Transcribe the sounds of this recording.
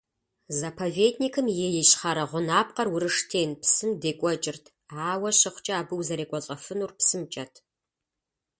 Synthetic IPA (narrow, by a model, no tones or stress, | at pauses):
zapʰɐveːdnikʰɨmjejɛɕχaɾɐʁʷʊnaːp̚qɐrwʊɾɨʂtʰeːnpsɨndeːkʷʼɔt͡ʃʼɪrtʰ | aːwɐɕɐχʷt͡ʃʼɐaːbɨwzɐɾeːkʷʼɔɕʼɐfɨnuːrpsɨmt͡ʃʼɐtʰ